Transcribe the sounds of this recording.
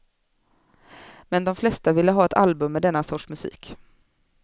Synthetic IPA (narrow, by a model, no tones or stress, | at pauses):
mɛnd̪ɔmflɛst̪avɪlːəɦɑːɛt̪ʰa̰lbɵmːɛd̪ɛnːasɔʈʂmɵsḭːk